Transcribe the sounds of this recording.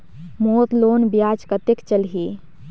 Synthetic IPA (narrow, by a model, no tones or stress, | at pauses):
mot̪loːnbjaːt͡ʃkət̪ekt͡ʃəlɦi